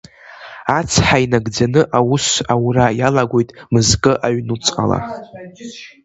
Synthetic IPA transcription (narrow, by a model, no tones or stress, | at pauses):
at͡sʰħainaɡd͡zanɨʔawusawrajalaɡʷojtʼmɨzkʼɨʔaɥnut͡sʼqʼa̰la̰